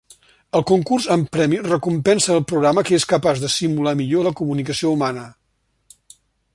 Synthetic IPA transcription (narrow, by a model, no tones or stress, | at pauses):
əlˠkuŋkurzəmpɾɛmirəkumpɛnsəːlˠpɾuɣɾaməkəeskəpazðəsimulamiʎoləkumunikəsioumanə